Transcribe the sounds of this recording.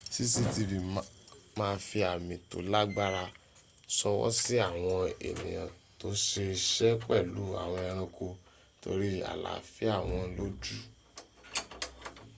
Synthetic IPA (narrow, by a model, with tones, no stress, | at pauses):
si˦si˧ti˧ɾi˨ | mãː˦˧fi˧a˨mĩ˨to̰˨la˦ɡ͡ba˦ɾa˧ | sɔ˧wɔ̰˦si˦a˦˨w̃ɔ̃˧ḛ˨nĩ˨j̃ã̰˨ | to˦ʃe˧ʃɛ˦k͡pɛ˦˨lu˨˦a̰˨w̃ɔ̃˧ã˧ɾ̃ɔ̃˧kʰo˧ | to̰˧ɾi˦a̰˨la̰˨fi˦a˦˨w̃ɔ̃˧lo˦d͡ʒu˦